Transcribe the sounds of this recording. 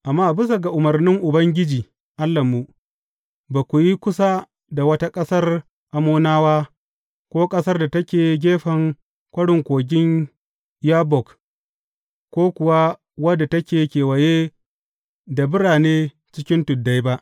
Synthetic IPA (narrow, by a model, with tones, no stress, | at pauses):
ʔa˨mːaː˦bɪ˦s̬a˨ɡa˨ʔʊ˨mɐ˨rnɪ˦ŋʔʊ˨bɐ˦ŋɡʲɪ˦d͡ʒiː˨ | ʔa˦lːɐ˨mːu˦ | ba˨kʷu˨ji˦kʷʊ˦sa˦ | da˨wɐ˦ta˦kʼɐ˦sɐ˦r | ʔa˨moː˦naː˦waː˦ | kʷoː˦kʼɐ˦sɐ˦rda˨tɐ˦kʲeː˨ɡʲeː˦ɸɐ˨ŋ | kʷɐ˦ɽɪ˨ŋkʷoː˨ɡʲɪ˦n | jaː˦bɔ˨k | kʷoː˦kʷʊ˨wa˦ | wɐ˦da˨tɐ˦kʲeː˨kʲeː˨wɐ˨jeː˦ | da˨bɪ˦ɽaː˨neː˦ | t͡ʃɪ˦kʲɪ˦ntʊ˨dːa˦jba˦ʔ